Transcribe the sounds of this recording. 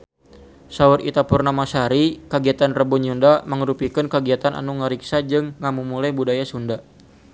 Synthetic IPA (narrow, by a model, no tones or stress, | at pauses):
saurḭt̪apurnamasaɾikəɡiat̪anrəbɔɲundaməŋəɾupikɨnkəɡiat̪ana̰nuŋəɾiksad͡ʒɨŋːamumulajbudajasunda